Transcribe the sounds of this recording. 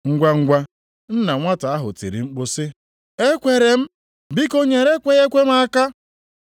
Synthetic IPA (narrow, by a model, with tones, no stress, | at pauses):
ŋ̩˦ɡʷa˦ŋ̩˦ɡʷa˦ | n̩˦na˨ŋʷa˦ta˨a˦ɦʊ̰˨tḭ˨ɾḭ˨ŋ͡m̩˦k͡po˦sɪ˦ | e˦kʷe˨ɾe˨m̩˦ | bi˦ko˦ɲe˨ɾe˦kʷe˦ɣe˦kʷe˦m˦a˦ka˦